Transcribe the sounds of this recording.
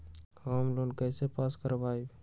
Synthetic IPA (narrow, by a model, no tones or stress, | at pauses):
həmlonkəɪsepaskəɾbaib